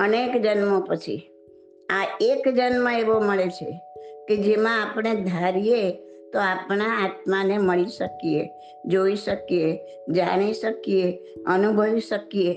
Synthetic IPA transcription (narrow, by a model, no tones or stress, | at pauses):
ənekd͡ʒənmopət͡ʃʰḭ | aekd͡ʒənmə̃eʋoməɭet͡ʃʰḛked͡ʒemãapɳed̪ʱaɾijet̪oapnaat̪̚maneməɭiʃəkije | d͡ʒoiʃəkije | d͡ʒaɽ̃iʃəkijeənubʱəʋiʃəkie